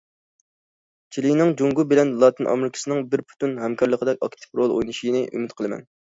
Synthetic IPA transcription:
t͡ʃʰilijnɪŋd͡ʒuŋɡubɪlɛnlˠɑːt̪ɨnʔɑ̰mɾɪkʲʰi̥sɨnɪŋbɪɾpʰu̥t̪unhɛmkʰɑɾlˠəqʰəd̪ɛkʲɑ̰kt̪ʰɨ̥pɾolˠo̰jnɨʃinɨʔy̰mɪt̪qʰəlˠɨmɛ̰n

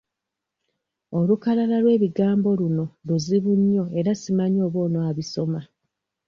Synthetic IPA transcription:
o̞lukalalalwe̞ːβiɡaːmbo̞luno̞luziβuɲːo̞e̞ɾasimaɲo̞ːβo̞ːnoaβiso̞ma

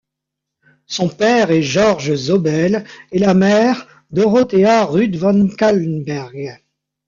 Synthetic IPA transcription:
sɔ̃pɛʁɛʒɔʁʒzɔbɛlɛlamɛʁ | d̪ɔʁɔt̪eaʁyd̪vɑnkalnbɛʁɡ

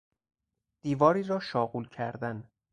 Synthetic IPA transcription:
d̪̥iːvɒːɾiːɾɒːʃɒːɣuːlcʰæɾd̪æn

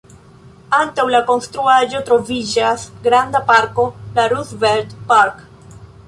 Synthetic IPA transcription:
antawlako̞nst̪ɾuaʒo̞t̪ɾo̞vid͡ʒasɡɾand̪apaɾko̞laɾusveɾd̪paɾk

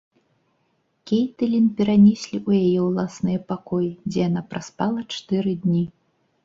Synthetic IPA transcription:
kʲejt̪ɨlʲinpʲɛɾanʲɛsʲlʲiʔujajɛwlˠasnɨjɛpakɔjid͡zʲɛjan̪apɾaspalˠɐt͡ʂt̪ɨɾɨd̪ʲnʲi

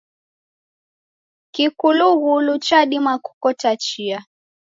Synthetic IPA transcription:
kikuluɣulut͡ʃaɗimaku̥kɔtat͡ʃia

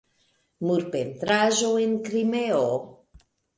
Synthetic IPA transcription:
muɾpent̪ɾaʒoenkɾimeo

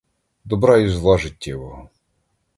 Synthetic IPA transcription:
d̪ɔbɾɑjuzlˠɑʒɪtʲːɛʋɔɦɔ

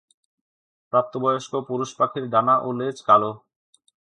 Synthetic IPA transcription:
pɾap̚t̪obɔjoʃkopuɾuʃpakʰiɾɖanaʔulːed͡ʑkalo

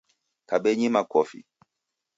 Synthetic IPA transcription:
kaɓɛɲimakɔfḭ

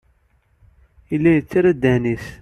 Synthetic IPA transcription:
ilːæjət͡sːiɾæd̪ːænis

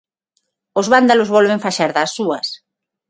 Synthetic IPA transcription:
ozβand̪alozβɔlβeɱfaʃaɾðasːuɐs

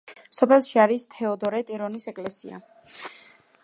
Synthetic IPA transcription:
sɔpʰɛlˠʃiaɾist̪ʰɛɔd̪ɔɾɛt̪ʼiɾɔnisɛkʼlɛsḭa̰

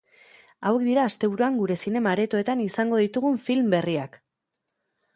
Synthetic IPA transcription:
awe̞kd̪iɾaːst̪e̞β̞uɾuaŋɡuɾe̞sine̞maɾe̞t̪o̞e̞t̪anisaŋɡo̞ðit̪uɣuɱfilmbe̞riak

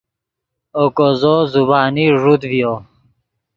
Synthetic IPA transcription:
okozozubaːniʐud̪vijo

